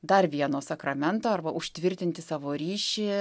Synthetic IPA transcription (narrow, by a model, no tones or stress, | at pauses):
d̪ɐrʋʲiɛnoːsɐkɾɐmʲɛnt̪oːɐrbɐʔʊʃʲt̪ʲʋʲɪɾʲt̪ʲɪnʲt̪ʲɪsɑːʋoːɾʲiːʃʲɪ